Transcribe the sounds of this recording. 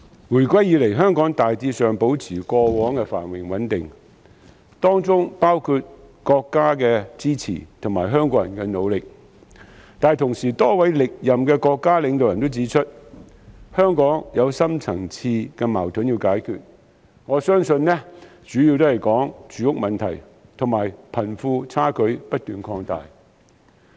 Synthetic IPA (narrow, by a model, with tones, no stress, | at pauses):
wuː˨˩jkʷɐ˥jːiː˨˧le˨jɦœː˥ŋkɔː˨˥ŋt̪aː˨jt͡siː˧sœː˨ŋpo˨˥wt͡sʰiː˨˩kɔː˧wɔː˨˥ŋkɛ˧fa̰ː˨˩nwɪ˨˩ŋwɐ˨˥nt̪ɪ˨ŋ | t̪ɔː˥ŋt͡sʊ˥ŋpaː˥wkʰuː˧t̚ | kɔː˧kːaː˥kɛː˧t͡siː˥t͡sʰḭː˨˩t̪ʰʊ˨˩ŋmaː˨˩jɦœː˥ŋkɔː˧˥jɐ˨˩nkɛ˧no˨˧wlɪ˨k̚ | t̪aː˨˧jt̪ʰʊ˨˩ŋsiː˨˩t̪ɔː˥wɐ˨˥jlɪ˨k̚jɐ˨mkɛː˧kɔː˧kːaː˥lɪ˨˧ŋt̪o˨wjɐ˨˩nt̪o˥wt͡siː˨˥t͡ʃʰɵ˥t̚ | hœː˥ŋkɔː˨˥ŋjɐ˨˧wsɐ˥mt͡sʰɐ˨˩ŋt͡sʰiː˧kɛ˧ma̰ː˨˩wt̪ʰɵ˨˥njiː˧wkaː˨˥jkʰy̰ː˨t̚ | ŋɔː˨˧sœː˥ŋsɵ˧nnɛ˥ | t͡ʃyː˨˥ji˧wt̪̬o˥hɐ˨jkɔː˨˥ŋt͡ʃyː˨˥jʊ˥k̚mɐ˨nt̪ʰɐ˨˩j | t̪ʰʊ˨˩ŋmaː˨˩jpʰɐ˨˩nfuː˧t͡sʰaː˥kʰɵ˨˥ɥpɐ˥t̚t̪yː˨nkʰɔː˧ŋt̪a̰ː˨j